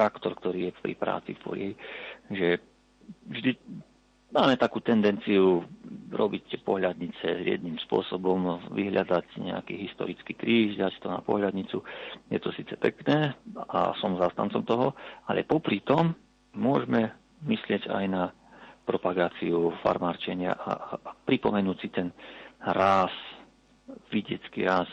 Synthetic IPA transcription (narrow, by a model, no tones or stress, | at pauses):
akt̪ɔɾkt̪ɔɾiːjɛpɾḭpɾa̰ːt͡sḭfpɔ̰lɛɦiʒɛ | vʒd̪i | maːmɛt̪akuːt̪ɛnd̪ɛnt͡siuɾɔbict̪ɛpɔɦʎad̪ɲit͡sɛjɪɛ̰d̪nimspʊɔ̰sɔbɔmʋiɦʎad̪acɲɛ̰a̰kiːɦist̪ɔ̰ɾit͡skiːkɾiːʒd̪act̪ɔna̰pɔ̰ɦʎad̪ɲit͡sujɛt̪ɔsiːt͡sɛpɛ̰knɛːa̰sɔmzaːst̪ant͡sɔmt̪ɔɦɔalʔɛ̰pɔpɾit̪ɔmː | ʊɔʒmɛ | mislɪɛɟa̰jna | pɾɔpaɡaːt͡siufa̰ɾmaːɾt͡ʃɛɲɪa̰ʔa̰pɾipɔmɛnuːcsit̪ɛnɾas | ʋiɟɛt͡skḭɾaːs